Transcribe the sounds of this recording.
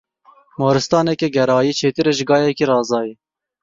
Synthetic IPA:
mɑːɾɨst̪ɑːnɛkɛɡɛɾɑːjiːt͡ʃʰeːt̪ɨɾeʒɪɡɑːjɛkiɾɑːzɑːji

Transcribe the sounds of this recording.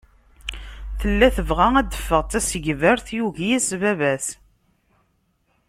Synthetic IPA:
θəlːæθəvʁææd̪ːəfːəʁt̪æsəʝvəɾθjuʝijæsvævæs

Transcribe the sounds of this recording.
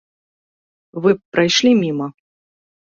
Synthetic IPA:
vɨpɾajʂlʲimʲimɐ

